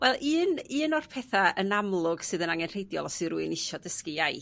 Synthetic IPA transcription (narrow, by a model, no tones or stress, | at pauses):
wɛlˠʔɨːnɨːnɔr̥pʰɛθaənamlˠʊɡ̥sɨːðənaŋɛnr̥ejdjɔlˠɔsɨɾuɨnɪʃɔdəskɨjaj